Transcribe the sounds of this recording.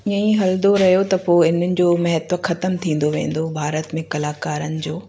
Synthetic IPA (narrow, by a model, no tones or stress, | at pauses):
ijəĩɦɐld̪oɾɐɦjot̪ɐpoːɪn̤ənɪ̆d͡ʑoːmɐɦɛt̪wəxɐt̪əmt̪ʰĩːn̆d̪oʋḛ̃ːn̆d̪obʱaːɾət̪mẽkɐlaːkaːɾənɪ̆d͡ʑoː